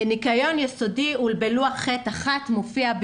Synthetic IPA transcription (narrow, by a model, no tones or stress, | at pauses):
nikajo̞njeso̞diulbeluaχetaχatmofiab